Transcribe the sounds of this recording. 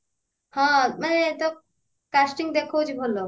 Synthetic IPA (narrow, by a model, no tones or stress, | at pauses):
hãmanet̪o | kasʈiŋɡd̪ekʰot͡ʃibʱolːo